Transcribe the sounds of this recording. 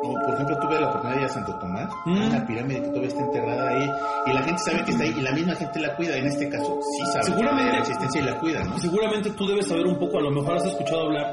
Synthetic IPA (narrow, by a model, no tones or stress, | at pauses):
d̪iopoɾexe̞mp̬lot̪uβelaopoɾt̪uniaðaiasant̪o̞t̪o̞masunapiɾamiðeket̪uaβjest̪aent̪e̞ɣɾaðaiilaxe̞nt̪e̞saβekest̪aiʔːlamizmaxe̞nt̪e̞lakwiðaene̞st̪e̞kasosisaβseɣuɾamẽeeksist̪ensjailakwiða̰nos̬e̞ɣuɾament̪e̞t̪uðe̞βesːaβ̞e̞ɾumpo̞koalo̞me̞xo̞ɾas̬e̞skut͡ʃaðoaβlaɾ